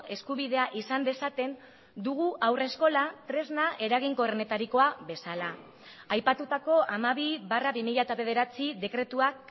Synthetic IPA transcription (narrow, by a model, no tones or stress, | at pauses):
e̞skuβ̞iðe̞aʔisand̪e̞sat̪e̞n | d̪uɣ̞uʔawre̞sko̞lat̪ɾe̞znaʔe̞ɾaɣ̞iŋko̞erne̞t̪aɾiko̞aβe̞salaː | jpat̪ut̪ako̞ʔamaβiβaraβimiʎat̪aβe̞ð̞e̞ɾat͡siðe̞kɾe̞t̪uak